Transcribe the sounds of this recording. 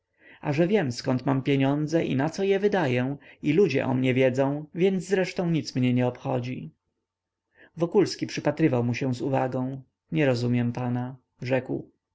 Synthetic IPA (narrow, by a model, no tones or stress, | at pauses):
aʐɛvʲjɛmskɔnt̪mampʲjeɲɔnd̪zɛʔḭnat̪sɔjɛvɘd̪ajɛ̃ilud͡ʑɛ̰ʔɔ̰mɲɛvʲjɛd̪zɔ̃w̃vʲjɛnd̪zzɾɛʂt̪ɔ̃w̃ɲit̪smɲɛɲɛɔpxɔd͡ʑi | vɔkulskʲipʂɘpat̪ɾɘvawmuɕɛ̃w̃zuvaɡɔ̃w̃ | ɲɛɾɔzumʲjɛmpana | ʐɛkw